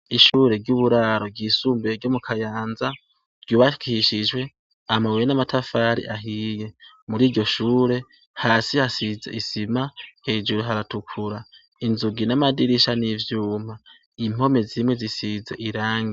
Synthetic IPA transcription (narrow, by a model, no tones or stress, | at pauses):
iʃuːɾe̞ɾɟuβuɾaːɾo̞ɡiːsuːmbeeɾɟo̞mukʰajaːnza | ɾɟuːβaʃkiiʃid͡ʒwe̞ | amawejenamatʰafaːɾḭʔaɦiːje̞ | muɾiːɾɟo̞ʃuːɾe̞ | haːsihasizḛʔisimahe̞ːd͡ʒuɾuɦaɾatukʰuɾa | inzuɡinamadiɾiʃanivjuːm̥a | im̥ho̞me̞zimwe̞zisizḛʔiɾaːŋɡi